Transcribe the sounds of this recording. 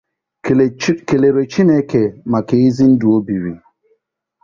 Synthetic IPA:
ke˨le˨ɾe˨t͡ʃi˦nɛ˦ke˨ma˨ke˨˦i˦zi˦n̩˦du˨o˦bi˨wḭ˨

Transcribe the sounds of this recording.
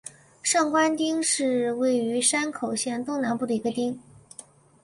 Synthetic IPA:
ʂɑ˥˩ŋkwa˥nt̪i˥ŋʂɻ̩˥˧we˥˩ɪy˧˥ʂa˥nkʰo˨˩ʊɕjɛ˥˩nt̪ʊ˥˩ŋna˧˥npu˥˩d̪ə˩i˧˥ɡə˧t̪i˥ŋ

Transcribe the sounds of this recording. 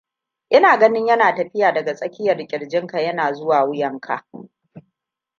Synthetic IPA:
ʔɪ˦naː˨ɡɐ˦nɪ˦ɲjɐ˦naː˨tɐ˨ɸɪ˦jaː˨dɐ˨ɡa˨sʼɐ˦kʲɪ˦jɐ˨rkʲʼɪ˨ɽd͡ʒɪ˦ŋka˨jɐ˦naː˨zʊ˦waː˨wʊ˦jɐ˨ŋkʰa̰˨ʔ

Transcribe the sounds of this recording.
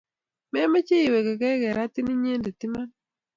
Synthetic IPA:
mɛ˦me˦t͡ʃe˦i˨we˨kɛ˨kɛ˦ɡɛ˨ɾa˦t̪i˦ni˦ɲe˦nde˨t̪i˦ma˦n

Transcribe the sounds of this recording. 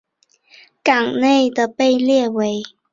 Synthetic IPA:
ka˨˩ŋne˥˨ɪd̪ə˨pe˥˧ɪljɛ˥˨we˨˦ɪ

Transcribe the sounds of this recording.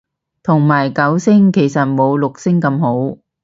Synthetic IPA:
t̪ʰʊ˨˩ŋmaː˨˩jkɐ˨˥wsɪ˥ŋke˨˩jsɐ˨t̚mo˨˧wlʊ˨k̚sɪ˥ŋkɐ˧mho˨˥w

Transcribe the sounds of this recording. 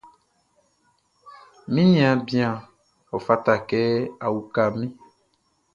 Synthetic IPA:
mĩ˦nĩ˨ã˨bi˦a˨ | ɔ˨fa˦t̪a˨kɛ˦a˨wu˨ka˨mĩ˦

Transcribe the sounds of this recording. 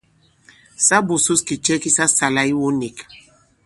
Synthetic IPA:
sa˦bu˨su˦ski˨t͡ʃɛ˦ki˦sa˦sa˨la˦i˦wo˦ni˨k

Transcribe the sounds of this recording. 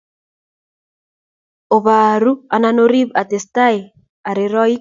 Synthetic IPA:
o˨βa˨ɾu˦a˨na˦no˦ɾi˦ba˨t̪e˨sta˦e˨ | a˨ɾe˨ɾɔ˦i˦

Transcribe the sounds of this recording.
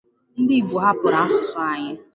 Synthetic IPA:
n̩˦dɪ˦˨ɡ͡bu˨ɦa˦pʊ˨ɾa˨a˦sʊ˨sʊ˨˦a˦ɲɪ˦

